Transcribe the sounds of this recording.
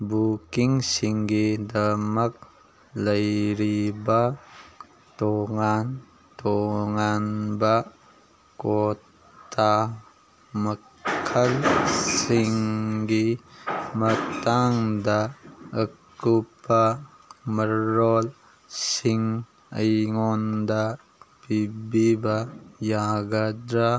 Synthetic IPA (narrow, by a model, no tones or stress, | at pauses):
bukiŋsiŋɡidɐmɐk̚ | lɐjɾibɐ | toŋan | toŋanbɐ | ko | tʰa | mɐ | kʰɐlsiŋɡi | mət̪aŋd̪aəkːupa | məɾol | siŋ | ə̰jŋond̪a | pibibajaɡad̪ɾa